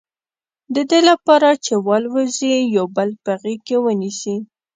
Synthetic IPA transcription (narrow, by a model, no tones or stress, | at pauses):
d̪əd̪elapɑɾat͡ʃewɑlwəzijɑwbəlpəaɣikewənisi